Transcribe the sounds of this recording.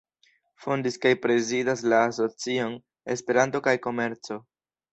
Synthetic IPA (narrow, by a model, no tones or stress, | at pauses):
fondiskajpɾe̞zidaslaːs̬o̞t͡sio̞n | e̞spe̞ɾanto̞kajko̞me̞ɾt͡so̞